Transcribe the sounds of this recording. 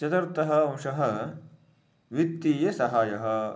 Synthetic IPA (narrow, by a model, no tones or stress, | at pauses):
t͡ʃɐt̪ɐɾt̪ɐɦɐɐmʂɐɦɐ | ʋit̪ːiːjɐsɐɦaːjɐɦɐ̆